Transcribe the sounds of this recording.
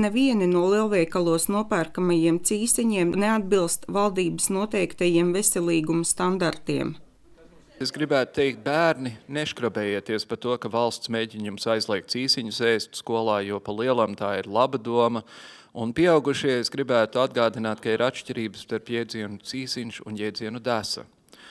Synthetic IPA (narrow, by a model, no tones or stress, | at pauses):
neviɛninuɔlˠiɛlˠvɛjkalˠuɔsnuɔpæːɾkamajiɛmt̪siːsiɲiɛmnead̪bilˠst̪valˠd̪iːbəsnuɔt̪ɛjkt̪ajiɛmvesʲɛlʲˠiːɡumst̪and̪aɾt̪iɛm | esɡɾibæːt̪ʊ̥t̪ɛɪk̚t̪̚bæːɾnineʃkɾɔbɛːjeːt̪iɛspat̪uɔkavɑlˠst̪smeːɟʲiɲumsajzlˠʲiɛkt̪siːsiɲusɛːst̪skuɔlˠɑːjuɔpalˠiɛlˠamt̪aːiɾlˠabad̪uɔmɐ | unpiɛawɡuʃiɛesɡɾibæːt̪uad̪ɡaːd̪inaːt̪̚kaiɾat̪ʃciɾiːbəst̪aɾpjɛjd̪ziɛnut̪siːsinʃuṵnjɛjd̪ziɛnud̪æsɐ̰